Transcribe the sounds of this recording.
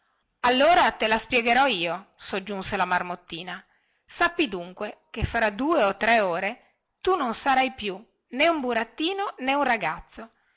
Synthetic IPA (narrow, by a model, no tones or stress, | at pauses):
alːoːɾat̪elaspjɛɡeɾɔiːosod͡ʒːunselamarmot̪ːiːna | sapːid̪uŋkwekefːɾad̪uːeot̪ːɾɛoːɾe | t̪unonsaɾajpju | neumbuɾat̪ːiːnoneunraɡat̪sːo